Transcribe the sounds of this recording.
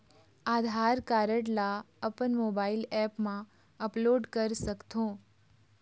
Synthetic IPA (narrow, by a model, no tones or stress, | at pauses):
aːd̪ʱaɾkaɾəʈla | əpənmobailɛpmã | əploɖkəɾsəkt̪ʰõː